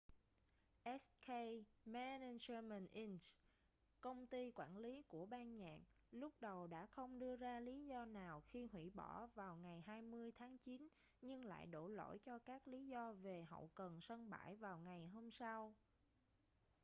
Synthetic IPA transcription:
ʔɛ˦˥ske˧jmɛ˧nɛ˧zə˧mɛ˨˩nʔi˧n | kə˧wŋ͡mt̪i˧kwaː˧˩nli˨˦ku˧˩əɓaː˧nɲa̰ː˧˨ŋ | lʊ˦˥k͡p̚ɗə˨˩wɗa̰ː˧˥xə˧wŋ͡mɗɨ˧əzaː˧li˨˦zɔ˧naː˨˩wxi˧ɦwḭ˧˩ɓɔ˧˩vaː˨˩wŋa˨˩jɦaː˧jmɨ˧əjt̪ʰaː˨˦ŋt͡ɕi˨˦n | ɲɨ˧ŋla̰ː˧˨jɗo̰˧˩lo̰˧˥jt͡ɕɔ˧kaː˦˥k̚li˨˦zɔ˧ve˨˩ɦə̰˧˨wkə˨˩nsə˧nɓa̰ː˧˩jvaː˨˩wŋa˨˩jɦo˧msa˧w

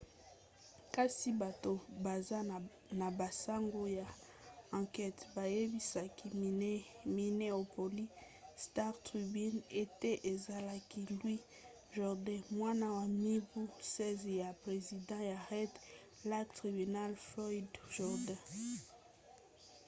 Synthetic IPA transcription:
ka˦si˦ba˨to˨ba˨za˦ | na˨ba˨sa˦ŋɡo˦ja˨ | ã˨kɛ˦tba˨je˦bi˦sa˨ki˦ | mi˨ne˦o˨po˨li˦ | sta˦ʁtʁi˨bi˦ne˦te˦ʔe˨za˨la˨ki˦lwi˦ | ʒɔ˨ʁdɛ̃˦˨mwa˦na˦wa˨mi˦bu˦sɛ˦zja˨pʁe˨zi˨dɑ̃˦ja˨ʁɛ˦t | la˦tʁi˨by˨na˦lflɔ˦i˦dʒ̥ɔ˨ʁdɛ̃˦˨

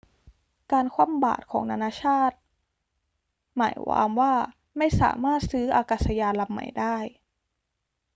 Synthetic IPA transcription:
kaː˧nkʰwaː˧˥˩mba̰ː˨˩t̪̚kʰɔː˩˦ŋna˧naː˧˥t͡ɕʰaː˥˩t̪̚ | ma̰ː˩˦jwa̰ː˧˦mwaː˥˩ | ma˥˩jsa̰ː˩˦maː˥˩t̪̚sɯː˦˥ʔaː˧kaː˨˩t̪sa˧jaː˧nla˧mːa̰˨˩jdaː˥˩j

